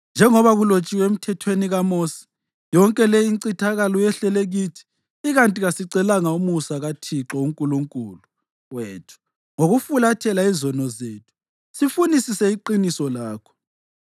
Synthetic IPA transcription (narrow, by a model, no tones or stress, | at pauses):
nd͡ʒʱɛŋɔβaɣulot͡ʃʼiwɛem̩tʰɛtʰweniɣamoːsi̥ | jɔŋkʼɛlɛjiǀitʰaɣalɔjɛɬɛleɣitʰi̥ː | ɣantʼiɣasiǀɛlaŋaumusaɣatʰiǁɔuŋkʼuluŋkʼuːlu | weːtʰu̥ | ŋoɣufulatʰɛlaizɔnɔzeːtʰu̥ | sifunisisɛiǃinisɔlaːkʰɔ̥